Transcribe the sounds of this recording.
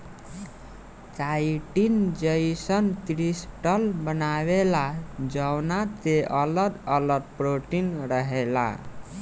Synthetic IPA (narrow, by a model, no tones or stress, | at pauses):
t͡ʃajʈind͡ʒəjsʌnt̪ɾisʈʌlbənawelad͡ʒəwnat̪eʔʌləd̪ʌləd̪̚pɾoʈinɾʌɦela̰